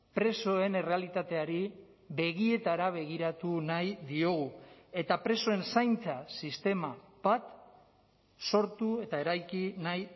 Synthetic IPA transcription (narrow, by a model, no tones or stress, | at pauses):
pɾe̞so̞e̞ne̞re̞alit̪at̪e̞aɾi | βe̞ɣ̞ie̞t̪aɾaβ̞e̞ɣ̞iɾat̪unajðio̞ɣ̞ue̞t̪apɾe̞so̞e̞nsajnt͡sasist̪e̞mab̥at̪ | so̞ɾt̪ue̞t̪ae̞ɾajkinaj